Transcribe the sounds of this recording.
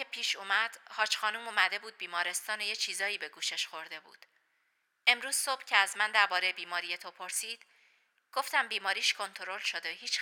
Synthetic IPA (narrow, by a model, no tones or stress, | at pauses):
epʰiːʃuːmæd̪̥hɒːt͡ʃxɒːnuːmuːmæd̪e̞buːd̪̚biːmɒːɾe̞st̪ɒːnejet͡ʃʰiːzɒːiːbe̞ɡuːʃe̞ʃxo̞ɾd̪e̞bṵːd̪̥ | ʔe̞mɾuːz̥so̞b̥cʰeæzmænd̪æɾbɒːɾejebiːmɒːɾije̞t̪ʰopʰoɾsiːd̪̥ | ɡ̥o̞ft̪æmbiːmɒːɾiːʃkʰo̞nt̪ʰoɾo̞lʃod̪ehiːt͡ʃ